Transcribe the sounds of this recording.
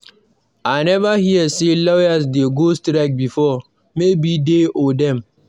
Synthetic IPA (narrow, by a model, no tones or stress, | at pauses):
anɛvahiəselɔjasdeɡostɾak̚bifɔ | mebideʔodɛ̃m